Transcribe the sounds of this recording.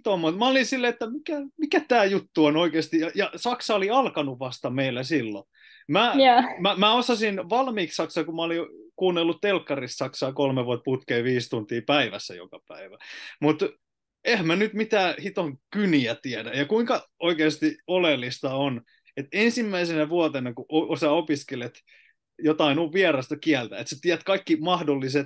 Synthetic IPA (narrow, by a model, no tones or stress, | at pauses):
t̪omːut̪mæolinsilːeet̪ːæmikæmikæt̪æːjut̪ːuonoikeːst̪ijɑjɑsɑksɑoliɑlkɑnuʋʋɑst̪ɑmeilːæsilːo̰ | mæmæmæosɑsinʋɑlmiːkssɑksɑkumæolikuːnːelːut̪t̪elkːɑrist̪sɑksɑːkolmeʋuot̪̚put̪keːʋiːst̪unt̪iːpæiʋæ̰sːæ̰jo̰kɑpæ̰iʋæmut̪ | ehæmænyt̪mit̪æːhit̪oŋkyniæt̪iædæjɑkuiŋkɑoikeːst̪iolelːist̪ɑon | et̪ensimːæisenæʋuɑt̪enɑkuoosæopiskelet̪ | jot̪ɑinuʋʋiɛrɑst̪ɑkiælt̪æ̰et̪set̪iæt̪kɑikːimɑhdolːiset̪